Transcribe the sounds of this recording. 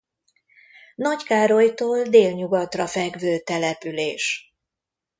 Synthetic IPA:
nɒckaːɾo̞jt̪oːld̪eːlɲuɡɒt̪rɒfɛɡvøːt̪ɛlɛpyleːʃ

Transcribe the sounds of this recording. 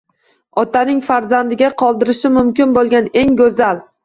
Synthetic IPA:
ɒt̪ʰanɪŋfaɾzand̪ɪɡʲaqʰɒlˠd̪ɪɾɪʃɪmʊmkʲɪnbolˠɡʲane̞ŋɡɵzal

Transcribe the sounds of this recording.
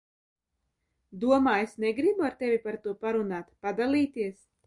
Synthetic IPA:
d̪uɔmaːesneɡɾibuaɾt̪ɛvʲipaɾt̪uɔpaɾunaːt̪pad̪alʲiːt̪iɛs

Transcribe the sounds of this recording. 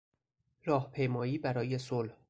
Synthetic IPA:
ɾɒːhpʰe̞jmɒːjiːbæɾɒːje̞solh

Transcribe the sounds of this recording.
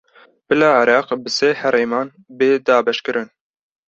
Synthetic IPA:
b̥ɨlɑːʕɪɾɑːqbɨseːhɛɾeːmɑːn | beːd̪ɑːbɛʃkɨɾʔɨn

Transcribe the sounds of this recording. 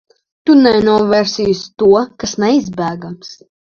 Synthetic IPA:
t̪unɛnuɔvʲɛɾsʲijst̪uɔkasnɛizbæːɡams

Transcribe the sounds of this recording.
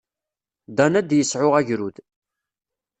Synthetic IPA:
d̪ɑnæd̪jəsʕʊʁæʝɾuð

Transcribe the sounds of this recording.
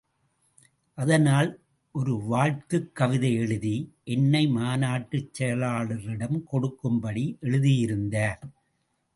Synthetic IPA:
ʔɐðɐnaːl | ʔɔɾɯʋaːɻt̪ɯkːɐʋɪðɐɪɛɻɯðiʔɛnːɐɪmaːnaːʈːɯt͡ʃːɛjɐlaːɭɯɾɪɽɐmkɔɽɯkːɯmbɐɽiʔɛɻɯðɪjɪɾɯnd̪aːɾ

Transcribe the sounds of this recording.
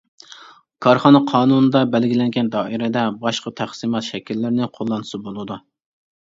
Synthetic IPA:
kʰɑɾχɑnɑqʰɑːnunɨd̪ɑbɛlɡʲilɛŋɡʲɛnd̪ɑːʔiɾɛd̪ɛbɑʃqɑt̪ʰæχsimɑt̪ʃɛkʲilːɪɾnɪqʰolˠːɑnɨsɨbolˠɨd̪u

